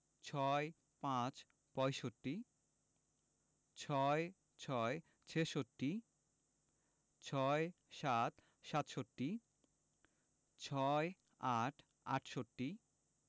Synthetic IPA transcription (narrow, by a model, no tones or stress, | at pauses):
t͡ɕʰɔe | pãt͡ɕ | pɔjʃoʈːi | t͡ɕʰɔe | t͡ɕʰɔe | t͡ɕʰeʃoʈːi | t͡ɕʰɔe | ʃat̪ | ʃat̪ʃoʈːi | t͡ɕʰɔe | aʈʰ | a̰ʈʰʃoʈːi